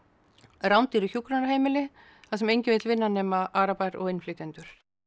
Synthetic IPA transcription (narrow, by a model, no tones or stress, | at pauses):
rawnt̪iɾʏçjukɾanɾʏɦeːjmɪlɪ | θaðsɛmejɲcɪvɪːt̪lvɪnːanɛːmaʔaːɾapajɾɔ̰ɣejnːflɪt̪ɛnt̪ʏɾ̥